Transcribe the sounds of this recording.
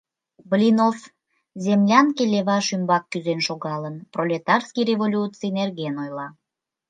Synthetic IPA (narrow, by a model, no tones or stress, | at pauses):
blʲinof | zemlʲɑnkelʲeβɑʃymbɑkːyzenʃoɣɑlənprolʲet̪ɑrskijrevolʲut͡sinerɣenojlɑ